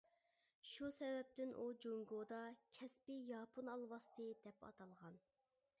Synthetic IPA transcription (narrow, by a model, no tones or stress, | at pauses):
ʃusɛvɛp̚t̪ɪnʔud͡ʒoŋɡod̪ɑkʲʰɛspɪjɑːpʰunɑlˠwɑst̪ʰɨd̪ɛpɑ̰t̪ʰɑlˠʁɑn